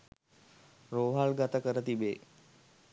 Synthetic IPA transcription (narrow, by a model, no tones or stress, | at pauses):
ɾoːɦalɡat̪əkəɾət̪ibeː